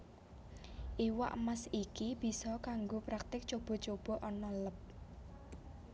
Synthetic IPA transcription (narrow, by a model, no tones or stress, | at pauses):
ʔiwa̰ʔmasikib̥i̤sɔkaŋɡopɾak̚t̪ɪk̚t͡ʃob̥ɔ̤t͡ʃob̥ɔ̤ʔɔnɔləp̚